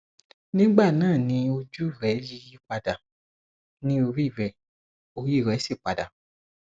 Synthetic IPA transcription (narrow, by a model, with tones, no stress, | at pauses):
nĩ˦ɡ͡ba˦˨nãː˦˨nĩ˧˦o˧d͡ʒu˦˨ɾɛ˨˦ji˧˦ji˦k͡pa˨da˨ | nĩ˦o˧ɾi˦˨ɾɛ˨ | o˧ji˦˨ɾɛ˨˦si˦˨k͡pa̰˨da̰˨